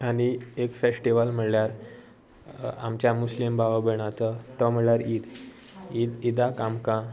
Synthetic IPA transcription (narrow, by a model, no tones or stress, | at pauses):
añiekfesʈiʋəlm̤əɽljaɾ | a̰mt͡ɕjamuslimbʱaʋabeɳ̃ãt͡sət̪əm̤əɭjaɾiːd̪ | id̪id̪akamkã